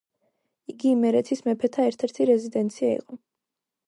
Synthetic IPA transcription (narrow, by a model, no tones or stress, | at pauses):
iɡimɛɾɛt̪ʰismɛpʰɛt̪ʰaɛɾt̪ʰɛɾt̪ʰiɾɛzid̪ɛnt̪sʰiaḭqʼɔ